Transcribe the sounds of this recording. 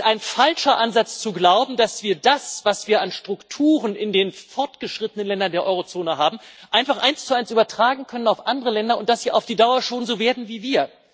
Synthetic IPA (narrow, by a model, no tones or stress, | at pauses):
aɪnfalʃɐʔanzat͡st͡suɡlaʊbm̩dasv̥iːɐdasv̥asv̥iːɐʔanʃtʁ̥ʊktʰuːʁənʔɪndeːnfɔɐtɡ̥əʃʁ̥ɪtənənlɛndɐndeːɐʔɔʏʁot͡soːnəɦaːbm̩ʔaɪnfaχʔaɪnst͡suaɪnsʔyːbɐtʁ̥aːɡŋ̩kʰœnənaʊfʔandəʁəlɛndɐʊnt̚d̥asv̥iːʔa̰ʊfd̥iːdaʊɐʃoːnzoːveːɐdn̩viːviːɐ